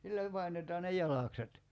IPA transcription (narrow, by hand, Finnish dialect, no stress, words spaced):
silːæ pɑinetɑː ne jɑlɑˑkset